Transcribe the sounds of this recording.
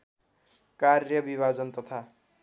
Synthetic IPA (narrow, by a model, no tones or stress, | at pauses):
karjʌbibʱad͡zʌnt̪ʌt̪ʰa